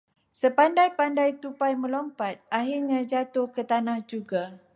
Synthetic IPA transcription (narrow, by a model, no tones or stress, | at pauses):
səpandajpandajt̪upajmə̃lɔmpat̪̚ʔaɦirɲãd͡ʒat̪ʊhkət̪anãhd͡ʒuɡa